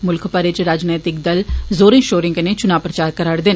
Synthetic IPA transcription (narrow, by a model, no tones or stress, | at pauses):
mʊlkʰpəɾɪt͡ʃɾaːd͡ʒnaːjt̪ɪk̚d̪əlzoːɾẽʃoːɾɪ̃ŋkənet͡ʃʊnaːpɾət͡ʃaːɾ̚kəɾaːɽd̪ɪn